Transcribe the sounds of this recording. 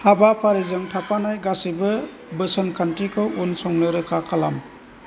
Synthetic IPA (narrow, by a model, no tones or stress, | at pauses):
habapʰaɾizɯŋtʰapanajɡasibɯ | bɯsɔnkʰantɾikʰɯwunsɔŋnɯɾɯkʰakʰalam